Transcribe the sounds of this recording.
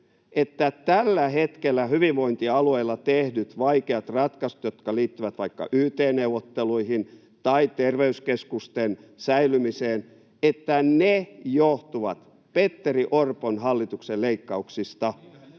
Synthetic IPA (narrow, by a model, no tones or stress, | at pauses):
ʔet̪ːæt̪ælːæɦet̪kelːæhyʋiʋʋoint̪iɑlueilːɑt̪ehdyt̪ʋɑikeɑt̪rɑt̪kɑsu̥t̪jot̪kɑliːt̪ːyʋæt̪ʋɑikːɑ̰ʔyːt̪eːneuwʋot̪ːeluihin | t̪ɑit̪erʋeyskeskust̪ensæilymiseːn | et̪ːænejoht̪uʋɑt̪ | pet̪ːeriʔorponhɑlːit̪ukselleikːɑuksist̪ɑ